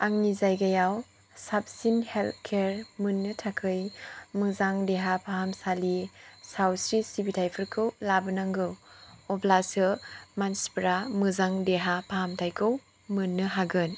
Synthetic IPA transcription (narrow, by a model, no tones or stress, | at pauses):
aŋnizajɡajaw | sap̚sinheltkʰeɾmɯnːɯtʰakʰɯjmɯzaŋdeɦapʰaɦamsalisawsɾisibitʰajpʰɯɾkʰɯwlabɯnaŋɡɯwɔpʰlasɯmanspɾamɯzaŋdeɦapʰaɦamtʰajkʰɯw | mɯnːɯɦaɡɯn